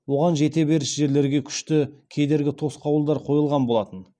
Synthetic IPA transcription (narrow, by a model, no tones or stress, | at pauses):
wo̞ʁɑnʒe̞t̪e̞be̞ɾɪsʒe̞ɾle̞ɾɡʲe̞kʲʰʏ̥ʃt̪ɪkʲʰe̞jd̪e̞ɾɡʲɪt̪ʰo̞sqɑwəlˠd̪ɑɾqʰo̞jəlˠʁɑnbo̞lˠɑt̪ən